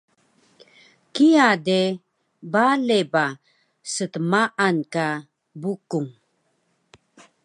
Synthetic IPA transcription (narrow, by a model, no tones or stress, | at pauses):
kiade | baleba | sətəmaʔanka | bukuŋ